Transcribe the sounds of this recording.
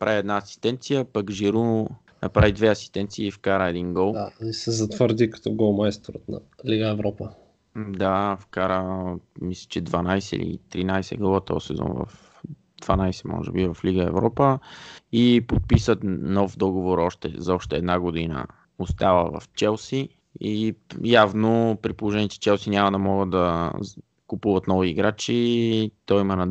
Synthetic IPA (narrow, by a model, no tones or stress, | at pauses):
pɾʔaviɛd̪naːsi̥st̪ɛnt̪sijəpakʒiɾu | nʔɐpɾavid̪vɛɐsi̥st̪ɛnt̪siːfkaɾəɛd̪inɡɔlˠaisɛzɐt̪vəɾd̪ikɐ̥t̪ɔɡɔlˠmaɛst̪oɾət̪nɐ̰liɡəɛvɾɔpə | d̪afkaɾəmislʲɛ̥t͡ʃɛd̪vanajsɛ̰lḭt̪ɾinajsɛ̰ɡˠɔvət̪ɔ̰sɛzɔ̰nvɐ̰f | d̪vanajsɛmɔ̰ʒɛ̰bivɐfliɡəɛvɾɔpəipot̪̚pisət̪nɔfd̪ɔɡovoɾɔʃt̪ɛ̰zɐɔʃt̪ɛɛd̪naɡod̪inə̰ | ost̪avəvɐ̰ft͡ʃɛlˠsi | ijavnopɾipolˠoʒɛniɛt̪ɛ̥t͡ʃɛlˠsinʲamɐd̪ɐmɔɡəd̪d̪ɐ | kʊpuvɐt̪nɔviːɡɾat͡ʃit̪ɔimɐnɐ